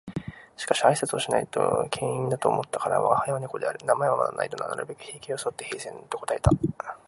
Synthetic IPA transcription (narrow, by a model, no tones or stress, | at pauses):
ɕi̥kaɕiaisat͡sɨo̞ɕina̰it̪o̰kʰẽ̞ɰ̃ĩnd̪at̪o̞ːmʔo̞t̪ːḁkaɾa̰βa̰hajaβaɲiko̞d̪e̞a̰ɾɯ̟namaeβama̰d̪a̰nʔa̰it̪ona̰na̰ɾɯbe̞kɯ̟̥çeːkʲioso̞t̪ːe̞he̞ːsẽ̞nt̪o̞ko̞t̪ae̞̥t̪a